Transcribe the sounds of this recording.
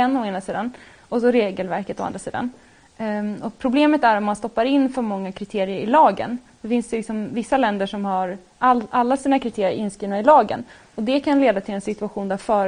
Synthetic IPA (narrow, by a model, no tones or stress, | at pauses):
ɛnːɔeːnasiːd̪an | ɔsɔɾeːɡəlvæɾkət̪ɔa̰nd̪ɾasḭːd̪a̰n | ɔpʰɾʊbleːmət̪æɾɔmmanst̪ɔpːaɾɪnːfœːɾmɔŋːakʰɾɪt̪ʰeːɾɪəɾɪlɑːɡə̰nsɔfɪnsd̪ɛlɪksɔmvɪsːalɛnd̪əʂɔmhaɾ | ʔalalːasiːnakʰɾɪt̪ʰeːɾɪə̰ɾɪnskɾiːvnaɪlɑːɡə̰n | ɔd̪ɛkʰanleːd̪at̪ʰɪlɛnsɪt̪ɵaɧuːnd̪æɾfœːɾ